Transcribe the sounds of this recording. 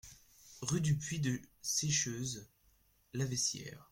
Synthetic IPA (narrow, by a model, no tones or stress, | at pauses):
ʁyd̪ypɥid̪əsɛʃøːz | lavɛsjɛ̰ːʁ